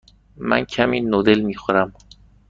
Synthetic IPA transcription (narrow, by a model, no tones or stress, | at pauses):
mæ̰ncʰæmiːnod̪elmiːxoɾæm